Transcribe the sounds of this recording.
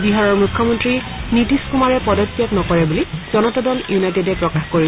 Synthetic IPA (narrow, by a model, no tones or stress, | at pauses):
biɦaɹɔɹmukʰːɔmɔntɹi | nitiskumaɹɛpɔdɔtːjaknɔkɔɹɛbuliz̥ɔnɔtɔdɔljunajtɔdɛpɹɔkaxkoɹi